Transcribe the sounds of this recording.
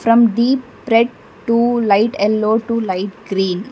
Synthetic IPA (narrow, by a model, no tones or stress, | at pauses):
fɾʌ̃mɖiːpː | ɾeɖ̚ | ʈulaɪʈɛlːoːʈulaɪʈɡɾĩːn